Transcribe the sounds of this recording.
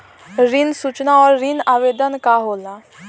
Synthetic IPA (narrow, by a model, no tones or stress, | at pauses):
ɾinsut͡ʃnaɔːɾːinaʋeːd̪ənkaɦoːlaː